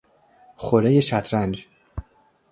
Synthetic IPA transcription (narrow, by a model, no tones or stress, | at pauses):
χoɾejeʃæt̪ʰɾænd͡ʒ